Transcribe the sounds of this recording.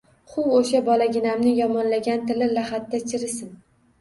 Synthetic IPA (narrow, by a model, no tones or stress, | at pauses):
χʊwoʃabɒlaɡʲɪnamnɪjɒmɒnlaɡʲant̪ɪlɪlahat̪ːat͡ʃʰɪɾɪsɪn